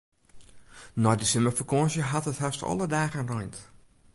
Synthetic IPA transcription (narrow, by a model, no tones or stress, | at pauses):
nɔjdəsɪməfəkɔsjəɦatəthastɔ̰lˠədaːɣənrɔjnt